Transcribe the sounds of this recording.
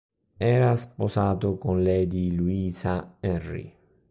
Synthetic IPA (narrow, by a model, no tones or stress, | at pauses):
ɛːɾasposaːt̪ʊkonlɛjd̪iluiːsaɛrḭ